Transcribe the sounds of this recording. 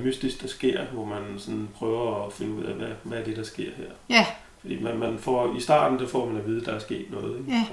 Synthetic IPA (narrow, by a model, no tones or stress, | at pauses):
mysd̥isɡ̥̚d̥ɑ̈sɡ̥e̝ɐ̰ʋɒmænsɒ̽npʰʁœːʊɐɒfe̝nəuð̞̰ˠæʋæʋææɐd̥e̝ɾ̥ɑ̈sɡ̥e̝ɐ̰heɐ̰ | fɒ̽d̥ḭːmænmænfɒ̰isd̥ɑ̰̈ːd̥n̩dɑfɒ̰mænæʋiːð̞ˠd̥ɑ̈æɐsɡ̥e̝̰ːd̥nɔ̽ːð̞̩ˠeɡ